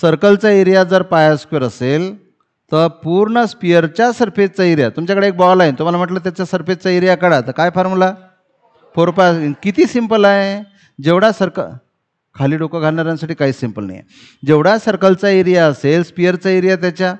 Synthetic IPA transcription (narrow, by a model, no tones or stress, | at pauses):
səɾkəlt͡saeɾijad͡zəɾpajaskiɾəsel | t̪əɾpuɾɳəspijəɾt͡ɕjasəɾfed͡zt͡saeɾjat̪umt͡ɕakəɽeːk̚bɔlaɦent̪um̤alam̤əʈlət̪̬jat͡ɕjasəɾfed͡zt͡saeɾijakəɽat̪əɾkajfaɾmla | foɾpakit̪iːsimpəlaɦe | d͡ʑeʋɽasəɾkə | kʰaliːɖokəɡʱalɳaɾjãnsaʈiːkaɦiːsimpəlna̰jḛ | d͡ʑeʋɽasəɾkəlt͡saeɾijaəselspijəɾt͡saeɾjat̪̬jat͡ɕja